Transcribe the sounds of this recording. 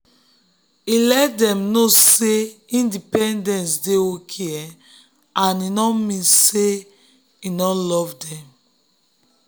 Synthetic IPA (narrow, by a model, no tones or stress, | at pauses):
ilɛt̚dɛ̃mnoseĩndipɛ̃ndɛ̃nsdeokʰeɛ | ãninɔmĩnse | inɔlɔvdɛ̃m